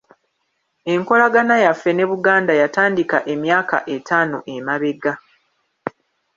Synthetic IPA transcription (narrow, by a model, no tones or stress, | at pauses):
e̞ŋko̞laɡanajafːe̞ne̞βuɡaːndajataːndikaʔe̞mjaːka̰ʔe̞tʰaːno̞ʔemaβe̞ɡa